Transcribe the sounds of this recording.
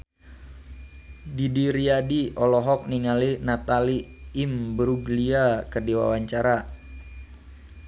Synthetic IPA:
didiɾiadiɔlɔɦɔk̚niŋalinat̪aliːmbəɾuɡliakərdiwa̰waɲt͡ʃaɾa

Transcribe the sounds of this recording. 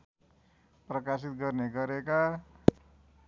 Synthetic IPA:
prʌkasit̪̚ɡʌrneɡʌɾeka

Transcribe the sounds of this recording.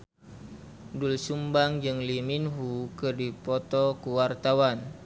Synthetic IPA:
dulsumbaŋd͡ʒɨŋliminɦukɨrdipɔt̪ɔkuwart̪awan

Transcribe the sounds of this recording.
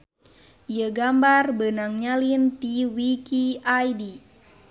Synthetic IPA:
jəɡambarbənaŋɲalint̪iwikiajdi

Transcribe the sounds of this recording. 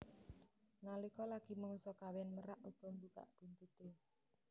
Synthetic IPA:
nalikɔlaɡ̥i̤məŋusɔkawɛnməɾaʔuɡ̥ɔ̤ŋɡuka̰ʔb̥ṳnt̪ut̪e

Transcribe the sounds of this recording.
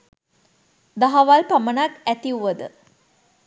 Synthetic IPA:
d̪aɦaʋalpamənakæt̪iuʋəd̪ə

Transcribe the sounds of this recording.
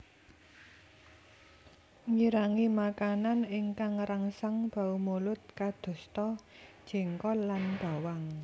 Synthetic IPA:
ŋiɾaŋimakananɪŋkaŋɾaŋsaŋb̥a̤umolʊt̪̚kad̪̥ɔ̤st̪ɔd̥ʒ̥e̤ŋkɔlːanb̥a̤waŋ

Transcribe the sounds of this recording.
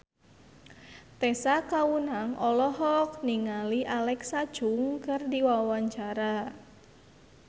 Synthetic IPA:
t̪esakawunaŋʔɔlɔɦɔk̚niŋaliʔalɛksad̥ʒ̥ʊŋkɨrdiwawaɲt͡ʃaɾa

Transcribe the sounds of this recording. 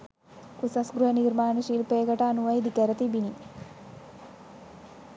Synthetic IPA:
kusɐsɡɾujəniɾmaːnəʃilpeːɡɐʈɐːnuʋɐjd̪ikəɾət̪ibini

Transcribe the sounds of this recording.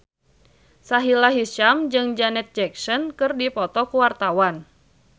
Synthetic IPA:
saɦilaɦiʃamd͡ʒɨŋd͡ʒanɛt̪̚d͡ʒɛksɔnkɨrdipɔt̪ɔkuwart̪awan

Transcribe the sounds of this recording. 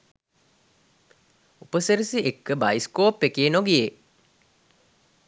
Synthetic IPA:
upəsəɾisiʔekːəbajskoːpːekeːnoɡije

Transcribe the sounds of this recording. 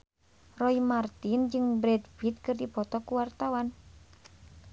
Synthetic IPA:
rɔimart̪ind͡ʒɨŋbɾɛdfit̪̚kɨrdipɔt̪ɔkuwart̪awan

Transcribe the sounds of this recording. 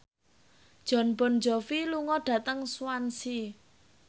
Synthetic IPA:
d̥ʒ̥ɔ̤nb̥ɔ̤nd͡ʒɔfiluŋɔɖ̥ä̤t̪əŋswansi

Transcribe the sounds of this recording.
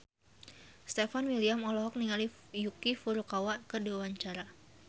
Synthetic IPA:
st̪efanwiliamɔlɔɦɔk̚niŋali | jukifuɾukawakədiwaɲt͡ʃaɾa

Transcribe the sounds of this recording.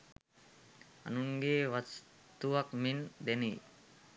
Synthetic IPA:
a̰nuŋɡeʋas | t̪uʋakmind̪eni

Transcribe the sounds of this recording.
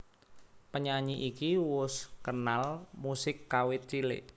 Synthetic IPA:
pəɲaɲiʔikiwʊskənalmusɪkːawɪt̪̚t͡ʃilɪ̰

